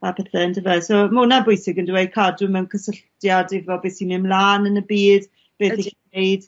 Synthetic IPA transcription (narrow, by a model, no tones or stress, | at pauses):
apʰɛθɛəndəvɛsoːmʊnabʊjsɪɡəndɪwejkʰadʊmɛnkʰəsəɬtjadɪvɔbeːsinɪmlaːnənəbiːd̥ | b̥eːinejd̥